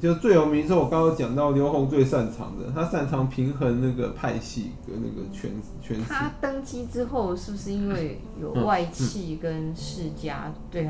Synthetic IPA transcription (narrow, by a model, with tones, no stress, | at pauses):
t͡ɕj̩˥˧˥t͡swe˥˩ɪjo˨˧ʊmi˧˥nʂ̬ɻ̩˥˩˨wɔ˨kɑ˥ŋo˧˥t͡ɕjɑ˨˩ŋt̪ɑ˥˩ʊljo˧˥ʊxo˧˥ŋt͡swe˥˧ɪsa˥˨˩nʈ͡ʂʰɑ̰˧˥ŋd̪ə̰˨t̪ʰa˥sa˥˩nʈ͡ʂʰɑ˧˥ŋpʰi˧˥ŋxə˧˥nna˥˩ɡə˩pʰa˥˧ɪɕḭ˥˩ | ə˩na̰˧˩ɡə˩t͡ɕʰɥɛ̰˥n˥t͡ɕʰɥɛ˦nt̪ʰa˥˦t̪ɤ˥ŋt͡ɕi˥ʈ͡ʂɻ̩˥xo˥˧ʊʂɻ̩˥˩bu˩ʂɻ̩˥˧i˥nwe˥˩ɪ | jo˨˩ʊ˥wa˥˧ɪt͡ɕʰi˥˩kə˦nʂɻ̩˥˩t͡ɕja̰˥t̪we˥˩ɪ